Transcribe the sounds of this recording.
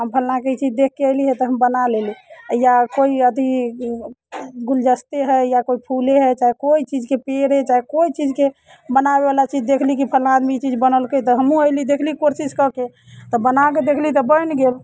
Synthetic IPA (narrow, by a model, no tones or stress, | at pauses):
ɦəmpʰəlnaket͡ʃid͡ʒd̪ek̚ʰːeəɪliɦɛt̪ɔɦəmbənalelijakoiəd̪i | ɡuld͡ʒəst̪eɦɛjakoipʰuleɦɛt͡ʃaikoit͡ʃid͡ʒkepeɾɦɛt͡ʃaikoit͡ʃid͡ʒke | bənabebalat͡ʃid͡ʒd̪ekʰlik̬ipʰəlnaːd̪mit͡ʃid͡ʒbənəlkət̪ɔɦəmũəjlid̪ekʰlikoɾsiskəke | t̪ɔbənaked̪ekʰlit̪ɔbəjnɡel